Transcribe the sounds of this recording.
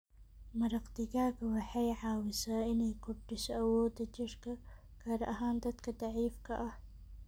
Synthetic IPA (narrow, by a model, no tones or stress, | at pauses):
mɐɾɑqd̪ɪɡaːkɐwɑħajʕaːwɪsaːɪnɛjkʰʊɾd̪ɪsɐwɔːd̪ɐd͡ʒɪɾkʰɐ | kʰaːɾʔɐɦaːnd̪ɐd̪kʰɐd̪ɑʕiːfkʰɐʔɐh